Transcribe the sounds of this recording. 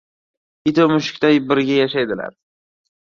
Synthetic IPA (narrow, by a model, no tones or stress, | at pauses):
ɪt̪ʰomʊʃɪ̥kʲt̪ajbɪɾɡʲajaʃajd̪ɪla̰ɾ